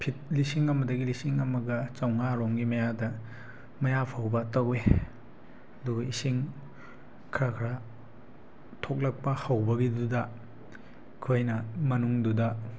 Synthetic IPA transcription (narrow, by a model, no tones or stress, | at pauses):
pʰit̚lisiŋɐmɐdɐɡilisiŋɐmɐɡɐt͡ʃɐwŋaɾoŋɡimɐjadɐ | mɐjapʰawbɐtɐwe | ɐduɡɐisiŋ | kʰɾakʰɾa | tʰok̚lɐk̚pɐhawbɐɡidudɐ | kʰojnɐmɐnuŋdudɐ